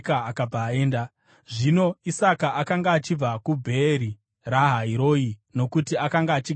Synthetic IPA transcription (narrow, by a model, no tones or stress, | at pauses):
kaakab͡vaːeːnda | ʐino̞isakaakaŋɡaːt͡ʃib͡vakubʱeːɾi | raɦaiɾo̞ːino̞kutiakaŋɡaːt͡ʃi